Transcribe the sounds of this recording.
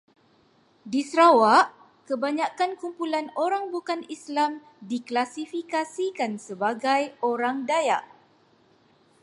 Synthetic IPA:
disɾawaʔ | kəbaɲãkankumpulanoɾaŋbukanislam | diklasifikasikansəbaɡajoɾaŋdaja̰ʔ

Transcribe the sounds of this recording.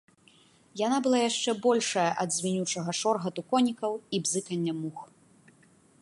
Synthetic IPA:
janabɨlˠajaʂt͡ʂɛbɔlʲʂɐjɐʔɐd̪zʲmʲinʲut͡ʂɐɣɐʂɔrɣɐt̪ukɔnʲikɐwibzɨkɐnʲːɐmux

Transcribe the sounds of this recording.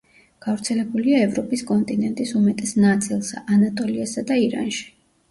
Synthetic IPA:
ɡ̥avɾt̪sʰɛlɛbuliaɛvɾɔpʼiskʼɔnt̪ʼinɛnt̪ʼisumɛt̪ʼɛsnat̪sʼilˠsa̰ʔanat̪ʼɔliasad̪aiɾa̰nʃi̥

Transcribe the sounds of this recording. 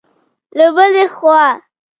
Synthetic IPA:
labəlexwɑ

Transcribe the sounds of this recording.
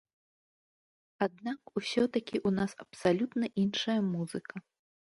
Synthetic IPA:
ad̪̚nakusʲɔt̪ɐkʲiʔunasɐpsalʲut̪nɐʔinʂɐjɐmuzɨkɐ

